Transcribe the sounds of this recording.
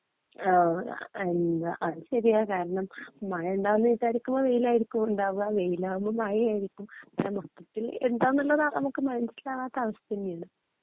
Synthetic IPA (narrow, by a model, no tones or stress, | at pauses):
aːenaʔɐðɕɐɾijakaːɾɐɳɐmːɐjɐuɳɖaːʋunːɐniːt͡ɕaːɾikʲːumːoʋe̞jilaːjiɾikʲːumuɳɖaːʋuɣɐʋejilaːʋumːomɐjijaːjiɾikʲːumamɐk̪ːɐt̪ːileɳɖaːʋunːuɭːɐðanɐmukːɨmɐnɐnsilaːɣaːt̪ːeɐʋɐst̪ɐnːijaːɳɨ